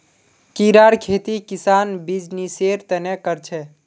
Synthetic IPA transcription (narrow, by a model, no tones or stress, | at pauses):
kiɾaɾkʰet̪ikisanbid͡ʒniseɾt̪ənekəɾt͡ʃʰɛ